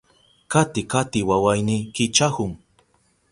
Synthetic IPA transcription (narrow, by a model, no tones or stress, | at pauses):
kat̪ɪkat̪ɪwawajnikɪt͡ʃahʊŋ